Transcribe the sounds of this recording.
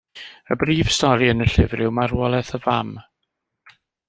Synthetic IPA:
ə̰briːv̥stɔɾiənəɬɪvrɪwmaɾwɔlˠɛθəvam

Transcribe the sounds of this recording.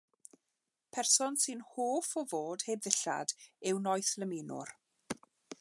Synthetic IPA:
pʰɛrsɔnsɨnhoːfɔvoːd̥heːbðɪɬa̰d̥ɪwnɔjθləminʊ̰r

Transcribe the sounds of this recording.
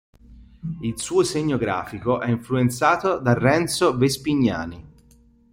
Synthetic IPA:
ilsuːoseɲːoɡɾa̰ːfikoʔɛiɱfluent̪saːt̪od̪arːɛnt̪sovespiɲːa̰ːni

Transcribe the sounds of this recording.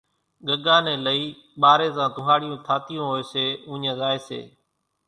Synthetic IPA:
ɠəɠãːneːləiː | ɓaːɾeːsãːt̪ʊɦaːɽɪjõːt̪ʰaːt̪ɪijõːɦoːeːseːʊ̃ːɲə̃ːzaːeːsḛː

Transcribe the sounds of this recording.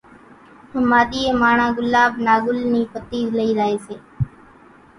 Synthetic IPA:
ʊmaːɗ̪iːeːmaːɳãːɡʊlːaːɓnaːɡʊlniːpət̪iːləiːɾəːɦeːseː

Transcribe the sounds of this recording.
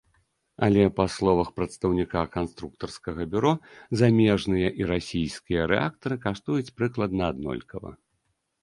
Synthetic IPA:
ɐlʲɛpaslˠɔvɐxpɾɐt̪st̪ɐwnʲikakanst̪ɾuk̚t̪ɐrskɐɣɐbʲuɾɔzamʲɛʐnɨjɐʔiɾasʲijskʲijɐɾɛ̰ak̚t̪ɐɾɨkaʂt̪ujut͡sʲpɾɨklˠɐd̪̚nɐad̪nɔ̰lʲkɐvɐ̰

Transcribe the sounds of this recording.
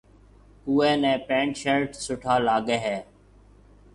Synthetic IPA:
uːeːnɛ̃ːpẽːɳʈʃəɾʈsʊʈʰaːlaːɠeːɦɛː

